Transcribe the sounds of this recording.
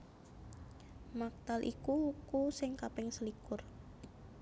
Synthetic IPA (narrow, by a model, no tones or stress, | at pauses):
mak̚t̪alʔḭkuukusɪŋkapɪŋsəlikʊr